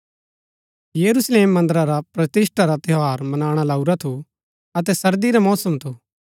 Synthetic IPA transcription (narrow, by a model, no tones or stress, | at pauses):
jɐɾusleːmːɐ̃nd̪əɾaɾapɾɐt̪ɪsʈaɾat̪ɪɦaːɾmɐnaːɽ̃alaːuɾat̪ʰu | ɐt̪̬ɛsɐɾd̪iɾamɔːsəmt̪ʰu